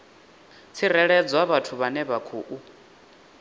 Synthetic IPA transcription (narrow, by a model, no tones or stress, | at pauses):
t͡sʰirɛɺɛd͡zwaβatʰuβanɛβakʰuːʔu